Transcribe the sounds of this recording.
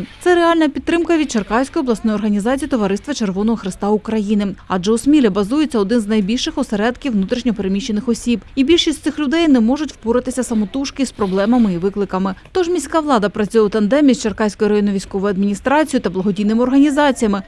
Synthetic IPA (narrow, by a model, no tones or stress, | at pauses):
t̪sɛɾeɑlʲnɐpʲit̪ːɾɪmkɐʋʲid̪̚t͡ʃɐrkɑwsʲkɔjɔblˠɐsnɔjɔrɦɐnʲizɑt͡sʲijit̪ɔʋɐɾɪst̪ʋɐt͡ʃerʋɔnɔɦɔxɾɪst̪ɑʊkɾɐjinɪɑ̰d͡ʒɛusmʲilʲɛbɐzujet͡sʲːɐɔd̪ɪnznɐjbʲilʲʃɪxɔseɾɛd̪kʲiwnut̪ɾʲiʃnʲɔpeɾemʲiʃt͡ʃːenɪxɔsʲibibʲilʲʃisʲt̪sɪxlʲʊd̪ɛjnɛmɔʒʊtʲwpuɾɐt̪ɪsʲɐsɐmɔt̪uʃkɪspɾɔblˠɛmɐmɪiʋɪklˠɪkɐmɪt̪ɔʒmʲisʲkɑʋlˠɑd̪ɐpɾɐt͡sʲujɛwt̪ɐnd̪ɛmʲisʲt͡ʃɐrkɑjsʲkɔjʊɾɐjɔnɔʋʲijsʲkɔʋɔjʊɐd̪mʲinʲist̪ɾɑt͡sʲijʊt̪ɐblˠɐɦɔdʲijnɪmɪɔrɦɐnʲizɑt͡sʲijɐmɪ